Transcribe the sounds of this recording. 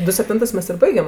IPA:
ˈdʊ sʲɛpʲˈtʲɪntɜs ˈmʲɛs ɪr ˈbɐɪɡʲɛm

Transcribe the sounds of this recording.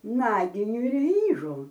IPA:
ˈnɑːɡʲɪnʲʊ ɪr ˈʋʲiːʒʊ

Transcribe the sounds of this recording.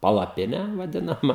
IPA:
pɐlˠɐˈpʲɪnʲæː ʋɐˈdʲɪnɐmɐ

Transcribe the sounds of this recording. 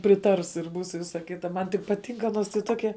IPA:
pʲrʲɪˈtɐrs ɪr ˈbuːs ɪ ˈʋʲɪsɐ ˈkʲɪtɐ ˈmɐn tʲɪ pɐˈtʲɪŋk ɐˈnoːs tɐɪ ˈtoːkʲɛ

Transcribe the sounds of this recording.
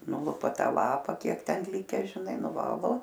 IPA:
ˈnʊlˠʊpɐ ˈtɑː ˈlˠɑːpɐ ˈkʲiɛk ˈtʲɛn ˈlʲɪkʲɛ ʒʲɪˈnɐɪ nʊˈʋɑːlˠoː

